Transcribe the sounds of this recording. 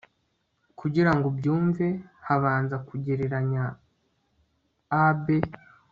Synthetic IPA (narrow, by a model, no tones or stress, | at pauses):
kʰuɟiɾaŋɡobjuːɱve̞haβaːnzakuɟeɾeɾaɲa | be